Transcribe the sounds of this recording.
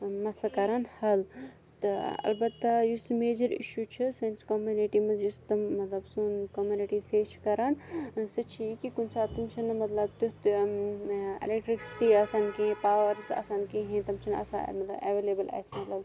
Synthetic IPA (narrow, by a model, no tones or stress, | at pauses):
mɐslakɐɾanhɐl | t̪ɨɐ̰lbɐt̪ːɐjusmeːd͡ʒɐɾḭʃjuːt͡ʃʰɨsɐnskoːmjuniʈimɐjust̪ɐmːɐt̪lɐbsunkomjuːniʈifʰeːt͡ʃʰi̥kɐɾansɨt͡ʃʰikikunsaːt̪ɐmt͡ʃʰɐnmɐt̪lɐb̚t̪ut̪ | ḛlek̚ʈɾiksi̥ʈiɐsaːnkĩpaːʋɐɾsɐ̰saːnkiɦẽt̪ɐmt͡ʃʰinɐ̰sã̰mɐt̪lɐbḛʋeleːbəlɐ̰ːsmɐt̪lɐb